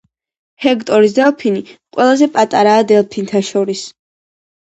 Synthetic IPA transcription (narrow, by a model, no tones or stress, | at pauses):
hɛkt̪ʼɔɾis̬d̪ɛlˠpʰiniqʼwɛlˠazɛpʼat̪ʼaɾaːd̪ɛlˠpʰint̪ʰaʃɔɾis